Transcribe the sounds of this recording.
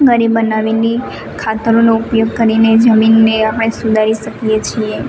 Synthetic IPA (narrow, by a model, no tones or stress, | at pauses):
ɡəɾibənaʋine | kʰat̪əɾonoʊpjoɡ̚kəɾined͡ʒəminːeapəɽ̃esud̪ʱaɾiʃəkijet͡ʃʰie